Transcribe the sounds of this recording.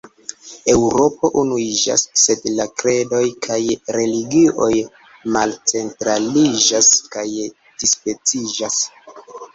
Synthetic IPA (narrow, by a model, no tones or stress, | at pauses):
e̞wɾo̞po̞ʔunuid͡ʒa̰sːe̞dlakɾe̞do̞jkʰajɾe̞liɡio̞j | malt͡se̞ntɾalid͡ʒaskaj | d̥ispe̞t͡sid͡ʒas